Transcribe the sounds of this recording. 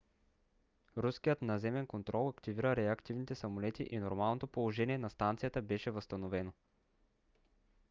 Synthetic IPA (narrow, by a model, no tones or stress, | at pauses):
ɾuskijət̪nɐzɛmɛnkont̪ɾɔlˠɐkt̪iviɾəɾɛɐkt̪ivnit̪ɛsɐmolɛt̪ḭʔinoɾmalˠnot̪opolˠoʒɛniɛnɐst̪ant̪sijət̪əbɛʃɛvəst̪ɐnovɛno